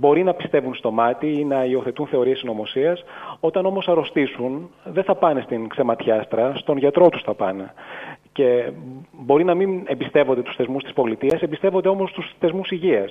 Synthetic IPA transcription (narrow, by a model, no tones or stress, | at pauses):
bo̞ɾinɐpi̥st̪e̞vunst̪o̞mɐt̪iinɐio̞θe̞t̪unθe̞o̞ɾie̞sino̞mo̞siɐso̞t̪ɐno̞mo̞sɐɾo̞st̪isunðe̞θɐpɐnest̪iŋkse̞mɐt̪çɐst̪ɾɐst̪o̞nʝɐt̪ɾo̞t̪u̥sθɐpɐnḛce̞ | bo̞ɾinɐminembist̪e̞vod̪et̪u̥sθe̞zmust̪i̥spo̞lit̪iɐsembist̪e̞vond̪eo̞mo̞st̪usθe̞zmusiʝiɐs